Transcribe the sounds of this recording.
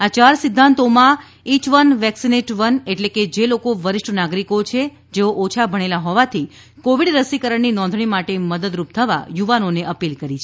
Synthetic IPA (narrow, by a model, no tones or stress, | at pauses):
at͡ʃaɾsɪd̪ʱːant̪omã | it͡ʃʋənʋɛksineʈʋəneʈleked͡ʒelokoʋəɾɪʂʈʰnaɡɾikot͡ʃʰe | d͡ʒeoʔot͡ʃʰabʱəɽ̃elaɦɔʋat̪ʰi | koʋiɽɾəsikəɾəɳninɔ̃nd̪ʱɳimaʈeməd̪əd̪ɾup̚t̪ʰəʋa̰juʋanoneʔəpilkəɾit͡ʃʰe